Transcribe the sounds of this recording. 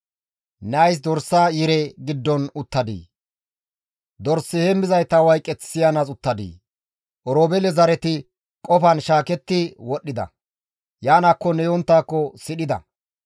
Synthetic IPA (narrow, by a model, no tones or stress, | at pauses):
nɛɐjs̬d̪ɔɾsːaːjɪɾɛɡɪd̪ːɔnʊt̪ːɐd̪ḭː | d̪ɔɾsːɪhɛmːɪzɐjt̪ɐwɐjkʼːɛt͡ssɪjanɐt͡sʼʊt̪ːɐd̪ḭː | ʔɔɾoːbɛlɛzɐɾɛt̪ɪ | kʼɔfɐnʃaːkɛt̪ːɪwɔɗːɪd̪ɐ̰ | jaːnɐkːɔnɛjɔnt̪ːaːkːɔsɪɗɪd̪ɐ̰